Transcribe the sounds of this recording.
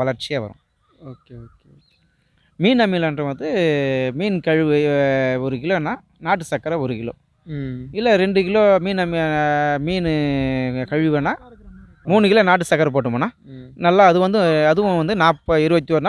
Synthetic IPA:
ʋɐlɐɾt͡ʃːɪjaːʋɐ̰ɾʊ̰̃ | oːkeoːkː | miːnɐmilɐndɾɐʋɐnd̪ɯmiːnkɐɻɯɔɾɯkɪloːɛnːãː | naːʈːɯsɐkːɐɾɐɔɾɯkɪɭo̰ː | ɪlːɐɾɛɳɖɯkɪɭoːmiːnɐmimiːnɯ | kɐɻɯʋɐnaː | muːnɯkɪɭonaːʈ̬ːɯsɐkːɐɾɐp̬oːʈ̬ːɯmɐnãːnɐlːaːɐðɯʋɐnd̪ɯɐðɯʋʊ̃ʋɐnd̪ɯnaːpːɐɪɾɯbɐt̪ːioːɾɯnaː

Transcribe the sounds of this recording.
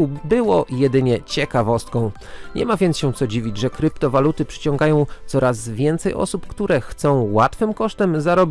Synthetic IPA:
ubɘwɔjɛd̪ɘɲɛt͡ɕɛkavɔst̪kɔ̃w̃ | ɲɛ̰mavʲjɛnt̪sɕɛ̃t̪sɔd͡ʑivʲid͡ʑʐɛkɾɘpt̪ɔvalut̪ɘpʂɘ̥t͡ɕɔ̃ŋɡajɔ̃w̃t̪sɔɾazvʲjɛnt̪sɛjʔɔ̰supkt̪uɾɛxt̪sɔ̃w̃wat̪fɘmkɔʂt̪ɛmzaɾɔbʲ

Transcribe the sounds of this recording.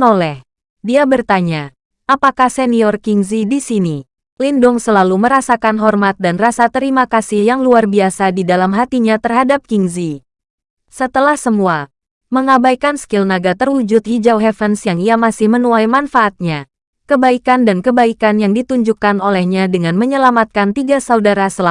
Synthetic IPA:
nolɛh | diabərt̪aɲa | apakahsɛniɔrkiŋzidisini | lindʊŋsəlaluməɾasakanɦɔrmat̪̚danrasat̪əɾimakasɪhjaŋluarbiasadidalamɦat̪iɲat̪ərɦadap̚kiŋzi | sət̪əlahsəmua | məŋabajkansə̥kɪlnaɡat̪ərwud͡ʒʊt̪̚hid͡ʒawɦɛfənsjaŋiamasɪhmənulajmanfaʔːt̪̚ɲa | kəbaikandankəbaikanjaŋdit̪uɲd͡ʒukːanolɛhɲadəŋanməɲəlamat̪̚kant̪iɡasaudaɾasəla

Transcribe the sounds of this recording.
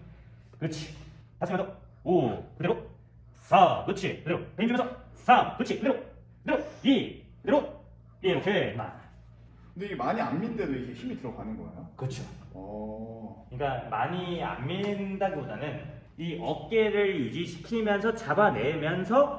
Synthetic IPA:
kɯt͡ɕʰi̥ | mas͈ɯmensʰʌ | okɯd̪eɾo | sʰakɯt͡ɕʰikɯdeɾopeŋd͡ʑumensʰʌsʰakɯt͡ɕʰikɯdeɾo | kɯd̪eɾoi | kɯd̪eɾo | jeokʰema̰ | kkɯndeiɡemaɲia̰nmindedoiɡeɕimitɯɾʌɡanɯnɡʌḛjokɯt͡ɕʰoʌ | kɯɲik͈ama̰ɲia̰nminndaɡiboda̰nɯn | iʌk͈e̞ɾɯɭjud͡ʑiɕʰi̥kʰimjʌnsʰʌt͡ɕabane̞mjʌnsʰʌ

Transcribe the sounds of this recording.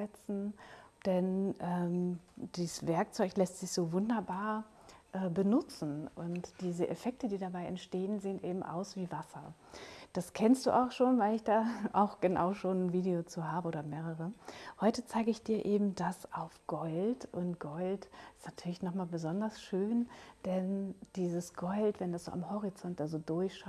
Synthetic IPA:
ɛt͡sn̩d̥ɛnʔɛːmd̥iːsv̥ɛɐk̚t͡sɔʏçlɛstz̥ɪçz̥oːvʊndɐbaːɐ | ʔɛːbənʊt͡sn̩ʔʊntd̥iːzəʔefɛk̚tədiːdabaɪʔɛ̰ntʃteːənzeːənʔeːbm̩ʔa̰ʊsv̥iːvasɐ̰ | d̥askʰɛnst̚d̥ṵːʔaʊxʃoːnvaɪlɪçd̥aːʔaʊxɡ̥əna̰ʊʃoːnnviːdeot͡suːɦaːbəʔoːdɐmeːʁəʁəhɔʏtət͡saɪɡəɪçd̥iːɐʔeːbm̩dasʔaʊfɡ̥ɔltʔʊntɡ̥ɔltɪstnatʰyːɐlɪçnɔχmaːlbəzɔndɐsʃøːnd̥ɛnd̥iːzəsɡ̥ɔltv̥ɛndasz̥o̰ːʔamhɔʁit͡sɔnt̚d̥aːzoːdʊɐçʃ

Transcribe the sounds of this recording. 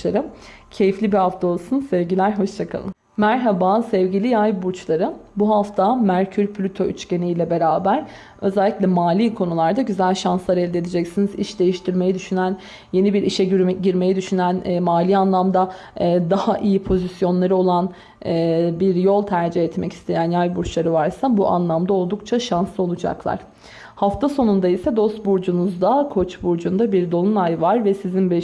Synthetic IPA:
aɾɯmcʰe̞jiflʲibihaft̪ʰao̞lˠsunsɛvɟilʲæɾɦo̞ʃt͡ʃʰakʰa̰lˠɯm | mæɾɦabasɛvɟilʲijajbuɾt͡ʃlˠaɾɯbuɦaft̪ʰamæɾcʰyɾpʰlʲyt̪ʰo̞ʔyt͡ʃce̞nijlʲɛbe̞ɾaːbæɾ | ø̞zɛlʲːiclʲɛmaːlʲiːkʰo̞nulˠaɾd̪aɟyzælʲʃanslˠaɾɛlʲd̪ed̪ed͡ʒɛcsiniziʃd̪e̞jiʃt̪ʰiɾme̞jid̪yʃynæn | je̞nibiɾʔiʃɛɟyɾɟiɾme̞jid̪yʃynænːmaːlʲiːanlˠamd̪aː | d̪ahaʔijipʰo̞zisjo̞nlˠaɾɯo̞lˠan | ɯːbiɾjo̞lˠt̪ʰæɾd͡ʒihɛt̪mɛci̥st̪ʰe̞jænjajbuɾt͡ʃʰlˠaɾɯvaɾsabuʔa̰nlˠamd̪ao̞lˠd̪ukt͡ʃʰaʃanslˠɯo̞lˠud͡ʒa̰klˠa̰ɾ̥ | haft̪ʰaso̞nund̪aisɛd̪o̞st̪̚buɾd͡ʒunuzd̪akʰo̞t͡ʃbuɾd͡ʒund̪abiɾd̪o̞nˠunajvaɾvɛsizinbɛ

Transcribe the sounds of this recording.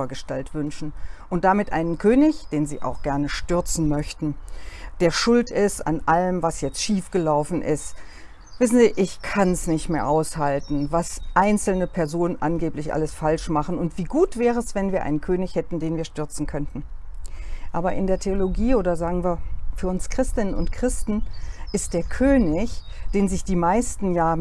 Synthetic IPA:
ɐɡəʃtaltv̥ʏnʃn̩ʔʊnt̚d̥amɪtʔa̰ɪnənkʰøːnɪçd̥eːnzḭːʔa̰ʊxɡ̥ɛɐnəʃtʏɐt͡sn̩mœçtn̩d̥eːɐʃʊltɪsta̰nʔaləmvasjɛt͡stʃiːfɡ̥əlaʊfn̩ʔɪ̰st | v̥ɪsn̩ziːʔɪçkʰansnɪçtmeːɐʔaʊshaltn̩vasʔaɪnt͡sl̩nəpʰɛɐzoːnənʔa̰nɡeːplɪçʔa̰ləsfalʃmaχn̩ʊntv̥iːɡuːtv̥ɛːʁəɛsv̥ɛnviːɐʔaɪnənkʰøːnɪçhɛtn̩deːnviːɐʃtʏɐt͡sn̩kʰœntn̩ | ʔaːbɐʔɪndeːɐtʰeoloɡiːoːdɐzaːɡŋ̩viːɐfyːɐʊnskʁ̥ɪstɪnənʊ̰ntkʁ̥ɪstn̩ʔɪst̚d̥eːɐkʰøːnɪç | d̥eːnzɪçd̥iːmaɪstn̩jaː

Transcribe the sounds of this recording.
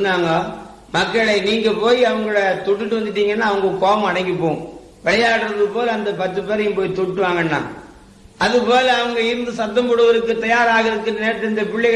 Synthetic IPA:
nːaːŋɡaː | mɐkːɐɭɐɪniːŋɡɐpoːjiɐʋɐŋɡɐɭoːɽɐt̪ɔʈːɯʈːɯʋɐnd̪ɯʈ̬ːiːŋɡɐnːaːɐʋɐŋɡɐkoːmɐɐɽɐŋɡipːõː | ʋɛɭɐjaːɽɯɾɐðɯpoːlɐnd̪ɐpɐt̪ːɯpeːɾɐjɯmpoːjit̪ɔʈʈːɯʋaːŋɡɐnːa̰ː | ɐðɯpoːlɐːʋɐŋɡɐɪɾɯnd̪ɯsɐt̪ːɐmbɔɽɯʋɐɾɯkːɯt̪ɐjaːɾaːɣɐðɯkːɯnɐneːɾɐt̪ːɪlɪnd̪ɐpɪɭːɐɪɣ

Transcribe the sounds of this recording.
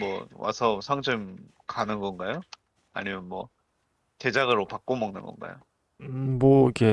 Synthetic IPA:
mwʌ̰wa̰sʰʌsʰaŋd͡ʑɯm | kanɯnɡʌnɡajo | a̰ɲimjʌnmwʌ | te̞d͡ʑaɡɯɾopak͈̚omʌŋnɯnɡʌ̰nɡa̰jo̰ | mʌiɡe

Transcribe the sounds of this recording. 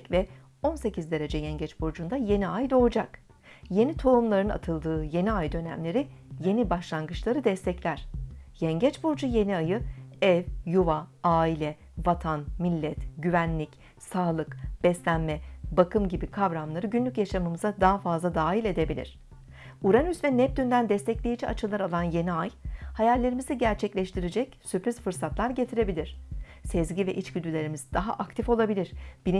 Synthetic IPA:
vɛ | o̞nse̞cizd̪e̞ɾe̞d͡ʒɛjɛɲɟɛt͡ʃboɾd͡ʒund̪aje̞niajd̪o̞lˠd͡ʒak | je̞nit̪ʰo̞umlˠaɾɯna̰t̪ʰɯlˠd̪ɯːje̞niajd̪ø̞næ̰mlʲe̞ɾi | je̞nibaʃlˠanɡɯt͡ʃlˠaɾɯd̪ɛst̪ʰɛclʲæɾ̝̥jɛɲɟɛt͡ʃboɾd͡ʒuje̞niajɯɛvjuvaaːilʲɛ | vat̪ʰanmilʲːɛt̪ɟyvænlʲic | saːlˠɯkb̥ɛslʲænmɛbakɯmɟibikʰabɾamlˠaɾɯɟynlʲycjaʃamɯmɯzad̪aɦafazlˠad̪aːɦilʲe̞d̪e̞bilʲḭɾ̝̥ | uɾanyzvɛnɛp̚t̪ynd̪ænd̪ɛst̪ʰɛclʲejid͡ʒɛat͡ʃʰɯlˠaɾalˠanje̞niajhajælʲːe̞ɾimiziɟæɾt͡ʃʰɛclʲɛʃt̪ʰiɾed͡ʒɛcsypɾiz̥fɯɾsat̪ʰlˠaɾɟe̞t̪ʰiɾe̞bilʲiɾ̝̥ | sɛzɟivɛʔit͡ʃɟyd̪ʲylʲe̞ɾimizd̪aɦa̰ʔakt̪ʰifo̞lˠabilʲiɾ̥b̥iɾ

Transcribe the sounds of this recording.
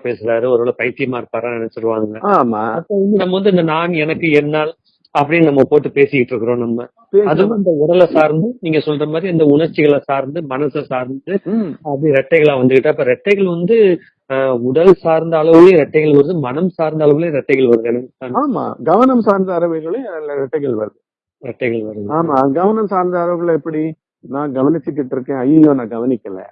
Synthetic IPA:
peːsɯɾaːɾɯɔɾɯʋɐɭɐpɐɪt̪ːɪjɐmaːɪɾɯpːaːɾãːnɛnɛt͡ʃːɪɾɯʋaːŋɡɐama̰ːɐpːoːʋɐnd̪ɯnɐmːɐʋɐnd̪ɯɪnd̪ɐnaːnɛnɐkːɯɛnːaːl | ɐpːɐɽɪnnɐmːɐpoːʈːɯpeːsɪjɪʈːɾɯkːɯɾõːnɐmːɐ | peːɐðɯɐnd̪ɐʊɽɐlɐsaːɾnd̪ɯniːŋɡɐsɔlːrɾɐmaːd̪ɾiɐnd̪ɐʊɳɐɾt͡ʃːɪɣɐɭɐsaːɾnd̪ɯmɐnɐsɐsaːɾnd̪ɯɐpːɐɽiɾɛʈːɐɪɣɐɭãːʋɐnd̪ɯkɪʈːɯɐpːoːɾɛʈːɐɪɣɐɭʋɐnd̪ɯ | ʊɽɐlsaːɾnd̪ɐːɭɐʋɯleɾɛʈːɐɪɣɐɭʋɐɾɯðɯmɐnɐmsaːɾnd̪ɐːɭɐʋɯleːɾɛʈːɐɪɣɐɭʋɐɾɯðɐnɯ̃aaːma̰ːɡɐʋɐnɐmsaːɾnd̪ɐɐɾɐʋɐɾɣɐɭelɾɛʈːɐɪɣɐɭʋɐɾɯðɯ | ɾɛʈːɐɪɣɐɭʋɐɾɯðɐaːmaːɡɐʋɐnɐmsaːɾnd̪ɐɐɾɐʋɯɣɐɭɛpːɐɽi | nãːɡɐʋɐnɪt͡ʃːɯk̬ːɪʈːɯɾɯkːẽːɐjɪjõːnãːɡɐʋɐnɪkːɐlɛ̰

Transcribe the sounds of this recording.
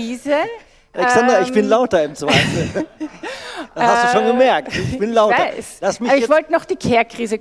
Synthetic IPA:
iːzə | ʔalɛksandʁɐɪçb̥ɪnlaʊtɐɪmt͡svaɪf̩ | d̥ashastːd̥uːʃoːnɡəmɛɐk̚uːçb̥ɪnlaʊaɐɪslastmɪçabɪçvɔltənɔχd̥iːkʰɛːɐkʁ̥iːzə

